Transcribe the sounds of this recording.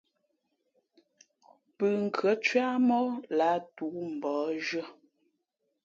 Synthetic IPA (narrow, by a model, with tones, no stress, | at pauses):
pə˨ŋ̩˨kʰə˨˦t͡ʃɥa˦mɔ˦la˨˦tu˨˦m̩˨bɔː˨˦ʒə˦˨